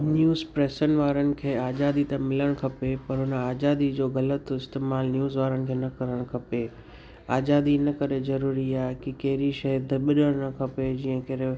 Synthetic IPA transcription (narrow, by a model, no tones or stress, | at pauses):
njuːzpɾeːsənɪ̆ʋaːɾənɪ̆kʰeːaːzaːd̪it̪ɐmɪləɽ̃kʰɐpepɐɾɦʊnəaːzaːd̪id͡ʑoːɣɐlət̪ɪst̪eːmaːlnjuːzʋaːɾənɪ̆kʰeːnɐkɐɾəɽ̃kʰɐpe | aːzaːd̪inɐkɐɾezɐɾuːɾiaːɦekɪkɐɦɪɾiʃɐɦd̪ɓɪɗəɽ̃nɐkʰɐped͡ʑiːə̃kɐɾe